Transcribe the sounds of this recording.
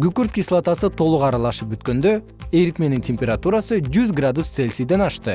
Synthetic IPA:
ɡykyɾt̪kʲislˠat̪asɯt̪ʰo̞lˠuqɑɾɑlˠɑʃɯp̚byt̪̚kø̞nd̪ø | eɾit̪me̞nintʲʰemʲpʲe̞ɾat̪uɾasɯd͡ʒyzɡrad̪ust̪se̞lʲsid̪e̞nɑʃt̪ɯ

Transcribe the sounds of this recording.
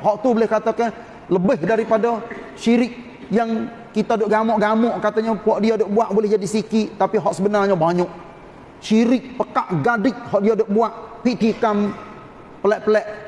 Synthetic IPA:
ɦɔʔt̪ubəlɪhkat̪akɛ | ləbɪhdaɾipadaʃiɾɪk̚ | jaŋ | kit̪adʊʔɡamɔʔɡamɔʔkat̪aɲaɔʔdiadoʔbuaʔbolɪhd͡ʒadisikit̪apiɦɔʔsəbənarɲabaɲɔʔ | ʃiɾɪk̚pəkaʔɡadɪk̚hɔʔdiadoʔbuaʔpiʔt̪ikam | pəlɛʔpəlɛʔ

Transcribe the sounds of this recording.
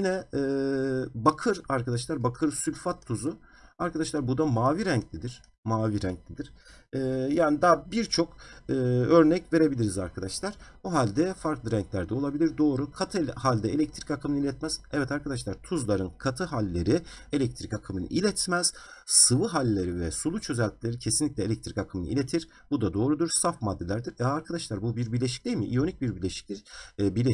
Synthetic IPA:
jinɛː | bakʰɯɾaɾkad̪aʃ̬lˠaɾbakʰɯɾsylʲfat̪ʰːuzu | aɾkʰad̪aʃlˠaɾbud̪amaːviɾæɲclʲid̪iɾ̥ | maːviɾæɲclʲid̪iɾ̥ɛːjaːnid̪abiɾt͡ʃʰo̞kɯːøɾnɛcve̞ɾe̞bilʲiɾizaɾkʰad̪aʃlˠaɾ̥buɦalʲd̪ɛfaɾklˠɯɾæɲclʲæɾd̪ɛo̞lˠabilʲiɾd̪o̞ːɾukʰat̪ʰɯhalʲd̪ɛelʲɛc̚t̪ʰɾicakʰɯmɯnɯilʲɛt̪mɛz̥ɛvɛt̪aɾkʰad̪aʃlˠaɾt̪ʰuzlˠaɾɯnkʰat̪ʰɯɦalʲːe̞ɾi | elʲɛc̚t̪ʰɾikakʰɯmɯnɯ̰ʔilʲɛt̪ʰmɛz̥sɯvɯɦalʲːeɾivɛsulˠut͡ʃʰø̞zɛlʲt̪ʰilʲe̞ɾicʰe̞sinlʲic̪ʲlʲɛlʲɛc̚t̪ʰɾi̥kakʰɯmɯnɯ̰ḭlʲet̪ʰiɾ̥ | bud̪ad̪o̞ːɾud̪uɾsafmad̪ːe̞lʲæɾd̪iɾɛaɾkʰad̪aʃlˠaɾbubiɾbiɾlʲeʃ̬i̥c̚d̪ʲejmiʔijo̞nic̚biɾbiɾlʲeʃi̥clʲibiɾlʲe

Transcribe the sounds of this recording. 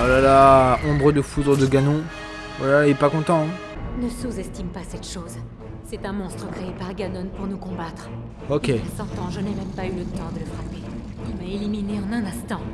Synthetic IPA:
alalaʔɔ̃bʁəd̪əfud̪ʁəd̪əɡanɔ̃ | vwalaiɛpakɔ̃t̪ɑ̃ɛ̃ | nəsuzɛst̪impasɛt̪ʃoz | sɛt̪ɛ̃mɔ̃st̪χəkχeepaʁɡanɔnpuʁnukɔ̃bat̪χ | okʲesɑ̃t̪ɑ̃ʒənɛmɛmpaylət̪ɑ̃d̪ələfχape | ɔ̃maelimineɑ̃nɛ̃nɛ̃st̪ɑ̃

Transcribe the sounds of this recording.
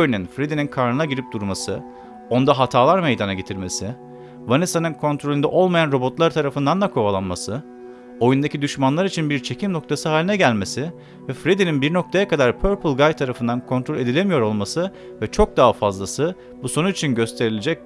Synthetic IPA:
jnynfɾed̪ininkʰaɾnɯnaɟiɾip̚d̪uɾmasɯ | o̞nd̪aɦat̪ʰaːlˠaɾme̞jd̪anaɟe̞t̪ʰiɾme̞sɪ | vanisanɯnkʰo̞nt̪ʰɾo̞lʲynd̪ɛ̰ʔo̞lˠmajanɾo̞bo̞t̪lˠaɾt̪ʰaɾafɯnd̪and̪akʰo̞alˠanmasɯ | o̞jund̪acʰid̪yʃmanlˠaɾit͡ʃʰinbiɾt͡ʃʰe̞cʰimno̞k̚t̪ʰasɯɦaːlʲinɛɟælʲme̞sɪ | vɛfɾed̪ininbiɾno̞k̚t̪ʰajakad̪aɾpʰøɾpʰɯlˠɡajt̪ʰːaɾafɯnd̪ankʰo̞nt̪ʰɾo̞lʲed̪ilʲe̞mijo̞ɾo̞lˠmasɯ | vɛt͡ʃʰo̞k̚d̪aɦafazlˠasɯ | buso̞nuit͡ʃʰinɟø̞st̪ʰe̞ɾilʲed͡ʒɛc̚

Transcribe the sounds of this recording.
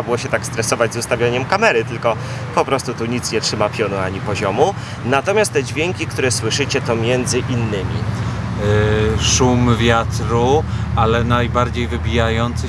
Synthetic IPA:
abɘwɔɕɛt̪akst̪ɾɛsɔvad͡ʑzust̪avʲjaɲɛmkamɛɾɘt̪ɘlkɔ | pɔpɾɔst̪ut̪uɲit̪sɲɛtʂɘmapʲjɔnuaɲipɔʑɔmu | nat̪ɔmʲjast̪ːɛd͡ʑvʲjɛŋkʲikt̪uɾɛswɘʂɘt͡ɕɛt̪ɔmʲjɛnd̪zɘʔinːɘmʲḭ | ʂumvʲjat̪ɾualɛnajbaɾd͡ʑejvɘbʲijajɔnt̪s

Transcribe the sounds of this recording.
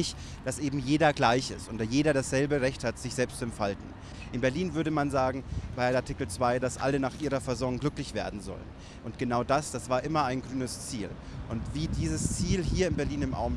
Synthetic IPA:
ɪçt | d̥asʔeːbm̩jeːdɐɡlaɪçɪ̰stʊntd̥aːjeːɾɐɾasz̥ɛlbəʁɛçthatz̥ɪçz̥ɛlpstɛmtfaltn̩ | ʔɪnbɛɐliːnvʏɐɾəmanzaːɡŋ̩baɪaɐtʰɪkl̩t͡sv̥aɪdasʔa̰lənaːχʔiːʁ̞ɐfɛɐzɔŋŋɡlʏklɪçv̥ḛːɐdn̩zɔ̰lə̰n | ʔʊntɡ̥ənaʊdasd̥asv̥aːɐʔɪmɐaɪnɡʁyːnəst͡siːl | ʔʊntv̥iːdiːzəst͡siːlhiːɐɪnbɛɐliːnɪmʔa̰ʊm

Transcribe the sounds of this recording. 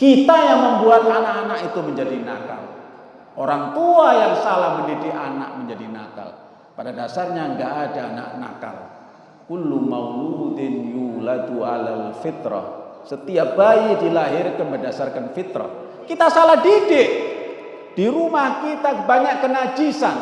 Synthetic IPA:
kit̪ajaŋməmbuat̪̚aʔnaʔanakit̪uməɲd͡ʒadina̰ka̰l | oɾaŋt̪uajaŋsalahməndidɪʔanak̚məɲd͡ʒadina̰ka̰l | padadasarɲaəŋɡaʔːdaːna̰ʔna̰ka̰l | kulːumawlut̪ɪnjulad̪ua̰lalfɪt̪ɾɔ̰sət̪iaʔb̥ajidilaɦɪrkanbərdasarkanfit̪ɾɔ̰ | kit̪asalahdidɪʔ | d̥iɾumahkit̪abaɲaʔkənad͡ʒisan

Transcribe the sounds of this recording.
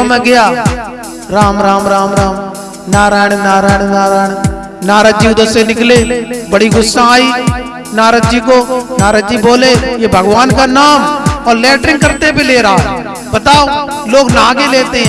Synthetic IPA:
mẽɡɐjaː | ɾaːmɾaːmɾaːmɾaːm | naːɾaːjɳ̃naːɾaːjɳ̃naːɾaːɪɽ̃ | naːɾəd͡ʒiʊd̪əɾsenɪklebəɽiɡʊsːaaːi | naːɾəd͡ʒikonaːɾəɡd͡ʒiboːlejebʱəɡʋaːnkanaːmɔːɾlɛːʈɾɪ̃ŋɡ̚kɐɾt̪ebʱileːɾaɦo | bɐt̪aːoloːɡnaːɡeleːt̪eɦɛ̃

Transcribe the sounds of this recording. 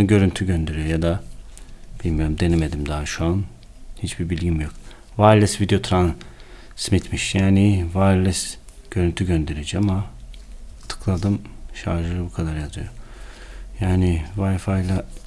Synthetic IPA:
ɟø̞ɾynt̪ʰyɟønd̪e̞ɾijojad̪a | b̥ilʲmijo̞ɾumd̪e̞neme̞d̪imd̪aaʃuan | hit͡ʃbibilʲɟimjo̞k | vajlʲˠɛsvid̪ejo̞t̪ʰɾan | smit̪miʃjaːnɪvajlʲɛs | ɟ̥ø̞ɾynt̪ʰyɟønd̪e̞ɾed͡ʒiama | t̪ʰɯ̥kʰlˠad̪ɯmʃaɾʒɯɯbukʰad̪aɾjazɯjo | jaːnɪvajfajlʲˠa

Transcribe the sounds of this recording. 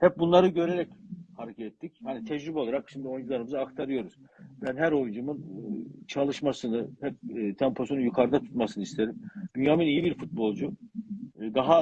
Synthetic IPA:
hɛp̚bunlˠaɾɯɟø̞ɾe̞ɾɛchaɾecʰɛt̪ɛt̪ʰːichanit̪ʰɛd͡ʒɾybɛaɾakʃimd̪io̞jund͡ʒulˠaɾɯmɯzɯːkt̪ʰaɾɯjo̞ɾuz̥bænɦæɾo̞jund͡ʒumɯnt͡ʃʰalˠɯʃmasɯnɯhɛp̚ːt̪ʰɛmpʰo̞sunjukʰaɾd̪at̪ʰu̥t̪masɯnɯist̪ʰe̞ɾimd̪ynjaminijibiɾfut̪̚bo̞lˠd͡ʒu | d̪aɦa

